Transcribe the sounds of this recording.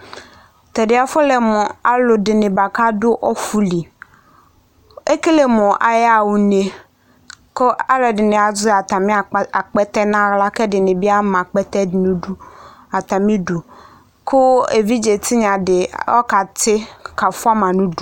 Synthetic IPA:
t̪ɛ˨dɪ˨˦a˨fʊ˦lɛ˨mɔ̃˨a˨lʊ˨dɪ˨nɪ̃˨ba˨ka˦dʊ˦ʔɔ˦fu˦li˨ | e˦ke˦le˦˨mɔ̃˨ʔa̰˨ja˦˨wu˨ne˨ | kʊ˦a˦lɛ˨dɪ˨nɪ̃˨a˨zʊ˦a˨t̪ã˨mɪ̃˦˨a˨k͡pɛ˦t̪ɛ˦nã˦la˦kɛ˦dɪ˨nɪ̃˨bi˦a˦mã˨k͡pɛ˦t̪ɛ˦dɪ˨nũ˦ɖu˦a˨t̪ã˨mĩ˦du˨ | kʰʊ˦ḛ˨vi˦d͡ʒe˨t̪ʰi˦ɲã˨dɪ˨ɔ̰˦ka˨t̪ʰɪ˦ka˨fʊ˦a˦mã˨nũ˦du˨

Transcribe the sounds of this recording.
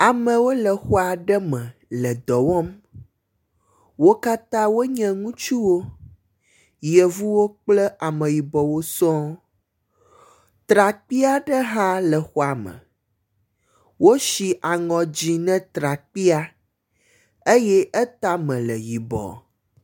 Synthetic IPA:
a˨mə̃˨wo˦lə˨xɔ˦a˨ɖə˦mɛ̃˨lə˨d̪ɔ˨wɔ˦m | wo˦ka˦t̪ã˦wo˦ɲɛ̃˨ŋũ˦t͡ʃu˦wo˦ | jə˨vu˦wo˦k͡plə˦ʔa˨mə̃˨ji˨bɔ˨wo˦sɔ̃˦ | t̪ɾa˨k͡pi˦a˦ɖə˦ɦã˦lə˨xɔ˦a˨mə̰̃˨ | wo˦ʃi˨ʔa˨ŋɔ̃˨d͡ʑi˨nɛ̃˦t̪ɾa˨k͡pi˦a˦ | e˦jɛ˦ʔə˦t̪a˦mɛ̃˨lə˨ji˨bɔ̰˨

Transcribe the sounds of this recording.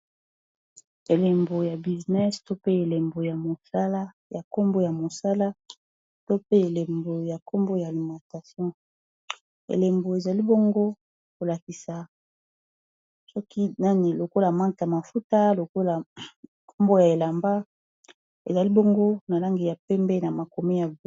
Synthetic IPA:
e˨le˨mbo˨ja˨bi˨znɛ˦sto˦pe˦e˨le˨mbo˨ja˨mo˨sa˦la˦ | ja˨ko˦mbo˦ja˨mo˨sa˦la˦ | to˦pe˦e˨le˨mbo˨ja˨ko˦mbo˦jaː˨li˨mã˨ta˨sjɔ̃˦ | ḛ˨le˨mbo˨e˨za˨li˦bo˦ŋɡo˦ | ko˨la˨ki˨sa˨ | sɔ˦kʰi˦na˦ni˨lo˨ko˦la˨mã˦ŋkja˨ma˨fu˦ta˦lo˨ko˦la˨ | kʰo˦mbo˦ja˨e˨la˨mba˦ | ḛ˨za˨li˦bo˦ŋɡo˦na˨la˦ŋɡi˨ja˨pɛ˦mbɛ˦na˨ma˨ko˨me˦ja˨v

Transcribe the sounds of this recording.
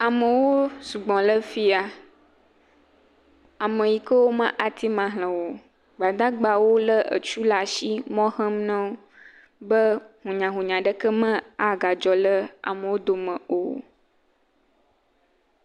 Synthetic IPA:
a˨mə̃˨wo˦su˨ɡ͡bɔ̃˨lə˦fi˦a˨ | a˨mə̃˨ji˨kə˦wo˦mã˦ʔa˨t̪i˦mã˨ɦl̃ə̃˨wo˨ | ɡ͡ba˨d̪ã˦ɡ͡ba˨wo˦lə˦ə̰˨t͡ʃu˦la˨ʃi˦mɔ̃˦hə̃˦m˦nə̃˦wo˦ | bə˦ɦũ˨ɲã˨ɦũ˨ɲã˨ɖə˦kə˦mə̃˦a˨ɡa˨d͡ʒɔ˨lə˦a̰˨mə̃˨wo˦d̪o˨mə̃˨o̰˨

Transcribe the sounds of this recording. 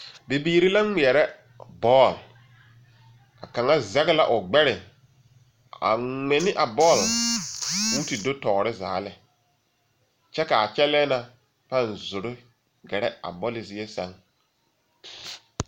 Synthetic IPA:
be˨biː˦ɾi˦la˦ŋi˨ɛ˨ɾɛ˦ | bɔː˦˨l | a˨ka˨ŋa˦zɛ˦ɣɪ˦la˨ʔʊ˨ɡ͡bɛ˦ɾɪ˨ | a̰˨ŋɛ˨nɪ˦ʔa˨bɔː˦˨l | puː˦ti˨do˦tɔː˨ɾɪ˦za̰ː˨lɪ˨ | t͡ʃɛ˦ka˨a˨t͡ʃɛ˦lɛː˦na˨ | pa˦˨nzʊ˨ɾɪ˦ | ɡɛ˨ɾɛ˦a̰˨bɔ˦lɪ˨zi˦e˦sa˦ŋ

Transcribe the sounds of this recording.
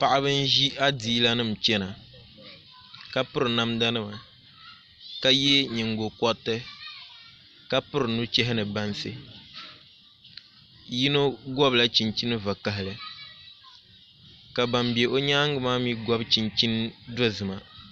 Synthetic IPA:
pa˨ʔa˦βɨ˦n˦ʒi˦a˦diː˨˦la˦nɨ˦˨m̩˨t͡ʃɛ˦na˨ | ka˦pʊ˦ɾɨ˨na˦mda˦nɨ˦ma˨ | ka˦jɛ˦ɲɛ˨ŋɡo˨kɔ˦tːɨ˦ | ka˦pʊ˦ɾɨ˨nu˦t͡ʃɛ˦ɦɪ˦nɨ˨ba˦nsɨ˦ | ji˦no˦ɡɔ˦bla˦t͡ʃi˨nt͡ʃi˦nɨ˦va˨ka˨ɦɪ˨lɨ˨ | ka˨ba˨mbi˨ɛ˨ʔo˦ɲa˦ŋɡɨ˨maː˦mi˦ɡɔ˦bt͡ʃi˨nt͡ʃi˦ndo˦zɨ˨ma˨

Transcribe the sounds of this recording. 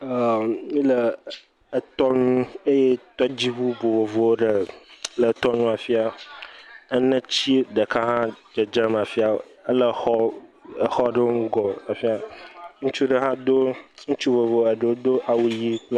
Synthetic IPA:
ə˨mĩ˦ləː˨ | t̪ɔ˦nũ˦e˦je˦t̪ɔ˦d͡ʑi˦bu˦bo˨vo˨vo˨wo˦ɖə˨˦lə˨t̪ɔ˦nũ˦a˨fi˦a˨ | ə˦nə̃˦t͡ɕi˦ɖə˨kʰa˦ɦã˦d͡ʒə˨d͡ʒə˦m˨a˨fi˦a˨o̰˨ə˦lə˦xɔ˦ə˨xɔ˦ɖə˦wo˦ŋũ˦ɡɔ˨a˨fi˦a˨ŋũ˦t͡ʃu˦ɖə˨ɦã˦d̪o˦ŋũ˦t͡ʃu˦vo˨vo˨˦ə˨ɖə˨wo˦d̪o˦ʔa˨wu˦ji˦k͡pl

